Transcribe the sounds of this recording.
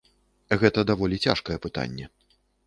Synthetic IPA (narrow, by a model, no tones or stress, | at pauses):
ɣɛt̪ɐd̪avɔlʲit͡sʲa̰ʂkɐjɛpɨt̪a̰nʲːɛ